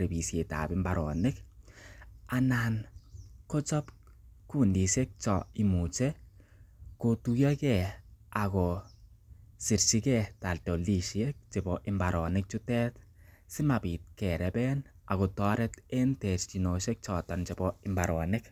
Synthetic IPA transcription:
ɾe˨bi˨sje˨ta̰bimbaɾɔ˨nɪ˦k | ananko˦t͡ʃɔ˦pku˦ndi˨ʃe˦k̚t͡ʃɔimu˨t͡ʃɛ˦ | kotuja˦kɛ˨akɔ | si˨ɾt͡ʃi˦kɛta˨lto˨li˨ʃie˦k̚t͡ʃe˨bɔʔɪmbaɾɔ˨nɪk̚t͡ʃu˦tɛ˦tsi˦mapi˨t̚kɛ˨ɾɛbɛn | a̰˨ko˨tɔ˦ɾɛte˦ntɛ˨tt͡ʃi˨no˨ʃe˦k̚t͡ʃɔ˨tant͡ʃe˨bɔɪ˨mbaɾɔ˨nɪk

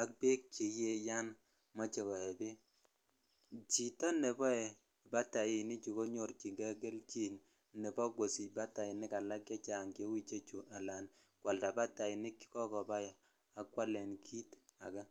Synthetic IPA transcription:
a˦k̚be˦k̚t͡ʃi˨je˦ja˦n | mɔ˦t͡ʃe˨kɔ˨ɛ˨bi˦ | t͡ʃi˨tɔ˦nɛ˨bɔ˦ɛ˨ | ba˦ta˨jɪ˨nɪ˦t͡ʃu˨ko˦ɲo˨ɾt͡ʃi˨ŋɡa˦ɡe˦lt͡ʃi˦n | nɛ˨bɔ˦ɡwo˨si˨ba˦ta˨ɪ˨nɪ˦ka˨la˦kja˦t͡ʃa˨ŋke˦wi˦t͡ʃe˦t͡ʃu˨ʔa˨la˨n | kwa˨lda˨ba˦ta˨ɪ˨nɪ˦kkɔ˦kɔ˨ba˦j | a˦kwa˦lɛ˨nkʰi˦ta̰˨ka˦

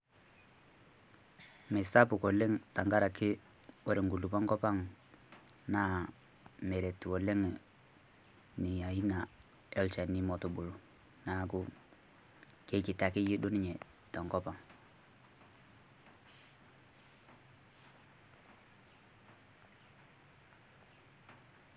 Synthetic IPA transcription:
me˨sa˦pu˨ko˨le˦ŋta˨ŋɡa˦ɾa˨kɪ˦ | wo˦ɾe˨ŋɡu˨lu˨pa˦ŋkɔ˦pa˦ŋ | na˦ | me˨ɾe˨to˨le˦ŋ˨ | ni˨ja˨i˦na˨ | ɔ˦lt͡ʃɛ˨ni˨mɔ˨tu˨bu˨lu˨ | na˨˦ku˦ | ke˦ki˨ta˨kɪ˦ji˦do˦ni˦ɲɛ˨ | tɔ˨ŋkɔ˦pa˨ŋ

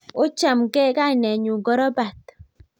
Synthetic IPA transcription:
ʊ˦t͡ʃa˨mɡɛ˦ɡa˦˨nɛ˨ɲu˨ɡɔ˦ɾɔ˦ba˨t̪

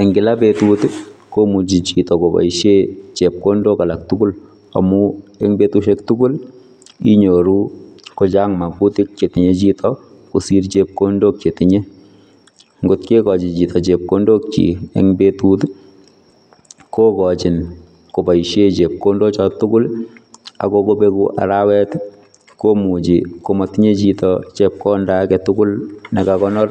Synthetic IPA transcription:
ɛ˨ŋɡɪ˨labetutkomu˨t͡ʃi˨t͡ʃitɔ˨ko˨pa̰˨jʃet͡ʃe˨p̚kondoka˨lak̚tʊ˦kʊ˦l | a̰˨muɛŋbe˦tuʃɛ˦ktu˦kʊ˦l | ḭ˦ɲoɾu˦ko˨t͡ʃaŋma˨ku˦tɪ˦k̚t͡ʃe˨tɪ˨ɲe˦t͡ʃitʰɔ | ku˨si˦rt͡ʃep̚ko˦ndo˦k̚t͡ʃe˨tɪɲe˦ | ŋɡʊtke˦kɔ˨t͡ʃɪ˨t͡ʃi˨tʰɔ˨t͡ʃe˨p̚ko˦ndo˦k̚t͡ʃḭ˨ḛ˦ŋbetu˦t | ko˦kɔ˨t͡ʃɪ˨n | ko˨pa˨iʃe˦t͡ʃe˨p̚ko˦ndo˦t͡ʃɔ˨tʊkʊ˦l | a̰˨koko˦be˦ku˦ʔa̰˨ɾawɛ˦t | ko˦mu˨t͡ʃikomɔtiɲe˦t͡ʃitɔt͡ʃep̚kɔ˦ndakɛtʊkʊ˦lne˨kakɔnɔ˦r

